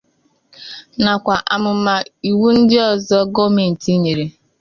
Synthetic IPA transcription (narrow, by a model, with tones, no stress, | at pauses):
na˨kʷa˨ʔa˨mʊ˨ma˨i˨wu˦n̩˦dɪ˦ɔ˦zɔ˦ɡɔ˦mi˨n̩˨ti˦ɲe˨ɾe˨